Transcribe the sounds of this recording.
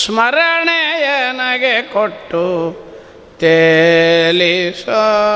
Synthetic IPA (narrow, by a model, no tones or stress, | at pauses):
smɐɾɐɳejenaɡekoʈːu | t̪e | liso